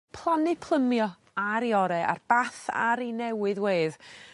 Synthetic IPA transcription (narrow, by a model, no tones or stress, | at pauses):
pʰlˠanɨpʰlˠəmjɔ | aɾjɔɾɛʔa̰rb̥aθa̰ɾinɛwɨðweːð